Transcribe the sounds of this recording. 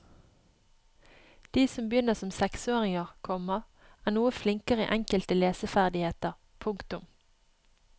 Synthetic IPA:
d̪̥iːsɔmbjʏnəsɔmsɛksoːʁɪŋəʁkʰɔmɑ | æːnuːəflɪŋkəʁəḭːʔɛŋkəlt̪əleːsəfæʁd̪ɪheːt̪əʁ | pʰʊŋkt̪ʊm

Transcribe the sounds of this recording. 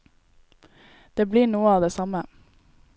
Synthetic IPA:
d̪̥eːbliːɳuːəɑːʋd̪eːsɑmə

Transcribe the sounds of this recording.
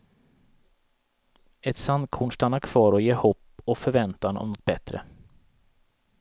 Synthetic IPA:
ɛt̪sand̪̚kʰuːɳst̪anːaɾkʰv̥ɑːɾɔjeːɾhɔpːɔkfœɾvɛnt̪anɔ̰mnɔt̪̚bɛt̪ɾə̰

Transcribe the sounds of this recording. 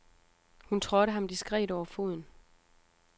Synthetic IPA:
hunt͡sʰʁɔ̽ɾəɦɑ̈md̥isɡ̥ʁɛ̰ːɾɒʊɐfo̝ð̰ˠn̩

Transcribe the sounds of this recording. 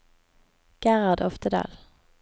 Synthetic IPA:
ɡ̥æʁɑd̪ɔft̪əd̪ɑ̰ːl

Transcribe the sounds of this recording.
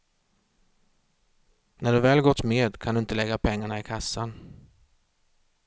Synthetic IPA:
næɖɵvɛːlɡɔt̪ːmeːd̪kʰand̪ɵɪnt̪əlɛɡːapʰɛŋːaɳaɪkʰasːan

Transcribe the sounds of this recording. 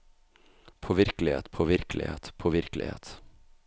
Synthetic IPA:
pʰoːʋɪɾklɪhḛːt̪pʰoːʋɪɾklɪ̰hḛːt̪pʰoːʋɪɾklɪ̰hḛːt̪

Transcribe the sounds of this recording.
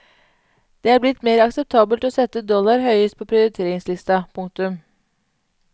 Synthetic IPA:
d̪̥eːæːblɪt̪meːɾɑksɛp̚t̪ʰɑːbəlt̪ɔsɛt̪ːəd̪ɔlɑɾhœʏəst̪̚pʰoːpʰɾɪʊɾɪt̪ʰeːɾɪŋslɪst̪ɑpʰʊŋkt̪ʉm

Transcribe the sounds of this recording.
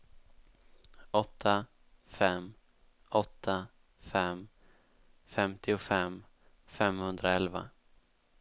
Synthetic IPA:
ɔt̪ʰːa | fɛm | ɔt̪ʰːa | fɛm | fɛmt̪ʰɪʊfɛm | fɛmhɵnd̪ɾaɛlva̰

